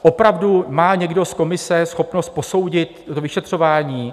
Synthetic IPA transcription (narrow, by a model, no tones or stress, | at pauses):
ʔopɾavdumaːɲɛɡdo̞skomɪsɛsxo̞pnost̪̚poso̞wɟɪt̪t̪ovɪʃɛt̪r̝̥o̞vaːɲiː